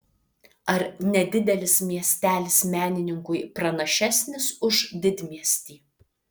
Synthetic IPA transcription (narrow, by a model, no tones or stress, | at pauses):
ɐɾnʲɛd̪ʲɪd̪ʲɛlʲɪsmʲiɛsʲt̪ʲæːlʲɪsmʲæːnʲɪnʲɪŋkʊɪpɾɐnɐʃʲæsʲnʲɪsʊʒd̪ʲɪd̪ʲmʲiɛsʲt̪ʲiː